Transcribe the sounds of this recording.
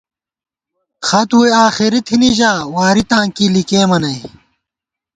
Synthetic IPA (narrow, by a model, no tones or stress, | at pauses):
xɐt̪ujaːxiɾit̪ʰiniʑaːwaːɾit̪ãːŋkiːlikeːmɐnɐj